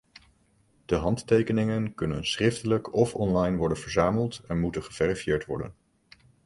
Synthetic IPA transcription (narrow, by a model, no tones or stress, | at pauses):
d̥əɦɑnttejkənɪŋənkɵnənsrɪftələkɔfɔnlɑjnʋɔɹdənvəɹzaːməlˠtɛnmutənχəv̥ɛrifjɪːɹtʋɔ̰ɹdə̰n